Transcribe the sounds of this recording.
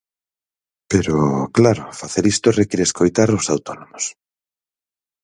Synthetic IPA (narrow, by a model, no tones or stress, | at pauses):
peɾoklaɾofaθeɾist̪orekiɾeskojt̪aɾosawt̪onomos